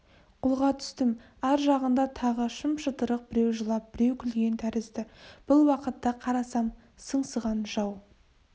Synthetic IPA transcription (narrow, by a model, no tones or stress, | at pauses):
qʰʊlˠʁɑt̪ʰʏ̥st̪ɪm | æɾʒɑʁənd̪ɑt̪ʰɑʁəʃəmʃət̪əɾəq̚b̥ɪɾe̞wʒəlˠɑp̚b̥ɪɾe̞wkʲʰɪlɡʲe̞nt̪ʰæɾɪzd̪ɪb̥ʊlˠwɑqət̪ːɑqʰɑɾɑsɑm | səɴsəʁɑnʒɑw